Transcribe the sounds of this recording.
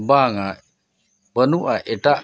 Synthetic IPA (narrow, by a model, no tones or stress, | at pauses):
baŋa | bənuʔaʔeʈaʔ